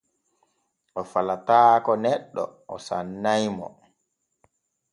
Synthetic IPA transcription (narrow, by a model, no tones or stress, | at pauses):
ʔɔfalataːkɔnɛɗːɔ̰ɔsanːajmɔ̰